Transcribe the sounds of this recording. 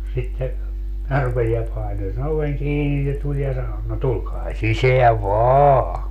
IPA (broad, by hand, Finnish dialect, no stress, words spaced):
sitːe minæ rupesi jɑ pɑino sen oʋeŋ kiːni se tulʲ jɑ sɑno no tulkɑː siseæʋ ʋɑːɑ